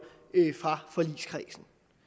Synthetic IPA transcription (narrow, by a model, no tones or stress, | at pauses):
fʁɑ̈fɒ̽lḭːskʰʁɛːsn̩